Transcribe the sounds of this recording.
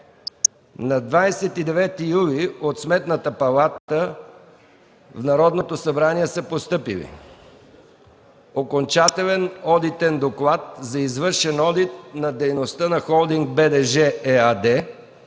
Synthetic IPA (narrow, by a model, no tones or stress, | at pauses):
nɐd̪vajsɛt̪id̪ɛvɛt̪ijuliot̪smɛt̪nət̪əpɐlˠat̪ə | vnɐɾɔd̪not̪osɐbɾaniɛsəpost̪ɤpḭlḭ | okont͡ʃat̪ɛlɛnɔd̪it̪ɛnd̪oklˠat̪̚zɐizvɤɾʃɛnɔd̪it̪̚nɐd̪ɛjnost̪ənɐxɔlˠd̪iŋɡ̚bɛd̪ɛʒɛɛad̪ɛ